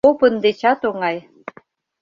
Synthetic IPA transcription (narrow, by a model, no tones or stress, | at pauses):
opɤnd̪et͡ɕɑt̪oŋɑj